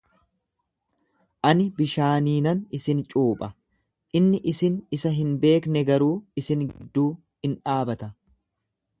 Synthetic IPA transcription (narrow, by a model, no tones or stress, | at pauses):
ʔɐnɪbɪʃaːniːnɐnɪsɪnt͡ʃʼuːpʼɐ | ʔɪnːɪʔɪsɪnɪsɐɦɪnbe̞ːknɛɡɐɾuːɪsɪnɡɪd̪ːuː | hɪnᶑaːbɐt̪ɐ